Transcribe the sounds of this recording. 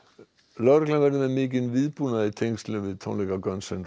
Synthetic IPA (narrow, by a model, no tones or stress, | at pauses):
lœɾklavɛɾðʏmɛmɪːc̬ɪnvɪðpuːnaðɪt̪ʰejŋst̪lɛvɪðt̪ʰo̰wnlɛkakœnsɛn